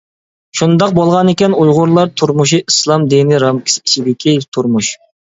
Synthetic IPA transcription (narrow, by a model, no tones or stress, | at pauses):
ʃund̪ɑq̚bolˠʁɑnɪkʲɛnujʁʊɾlˠɑɾt̪ʰuɾmuʃ̬iʔislˠɑmd̪inɪɾɑmkʲʰi̥sʲi̥t͡ʃid̪ɪkʲʰit̪ʰuɾmuʃ